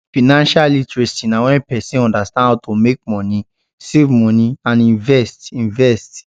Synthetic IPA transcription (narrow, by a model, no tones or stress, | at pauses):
finãnʃalĩtɾɛstĩnãw̃ɔ̃ɛpɛsĩɔ̃dastãɔtomek̚mɔ̃nĩ | sevmɔ̃nĩãnĩnvɛstĩnvɛst